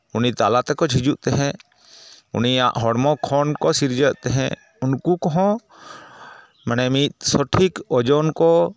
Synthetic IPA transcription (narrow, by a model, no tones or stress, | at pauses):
unit̪alat̪ɛkɔd͡ʒʱid͡ʒuʔt̪ɛɦɛ̃ | ṵnia̰ʔɦɔɽmɔkʰɔnkɔsiɾd͡ʒəʔt̪ɛɦɛ̰̃ | unkukɔɦɔ̃ | manɛmit̪̚sɔʈʰikɔd͡ʒɔnkɔ